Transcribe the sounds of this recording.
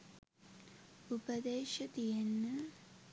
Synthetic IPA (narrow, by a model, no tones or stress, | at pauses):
upɐd̪eːʃɐd̪ijenːə